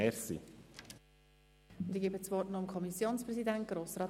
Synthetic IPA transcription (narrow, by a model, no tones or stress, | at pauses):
ɛɾsḭ | ʊnd̪iɡebət͡svɔrtnɔəmkʰɔmisjoːnspɾɛzidɛnt̚ɡ̥ɾoːsrɑː